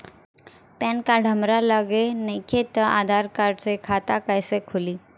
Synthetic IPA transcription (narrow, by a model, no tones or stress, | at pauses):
pɛ̃ːnkaɖʱəmɾaləɡenekʰet̪əʔad̪ʱaːɾkaːɾɖsekʰat̪akəjsekʰʊliː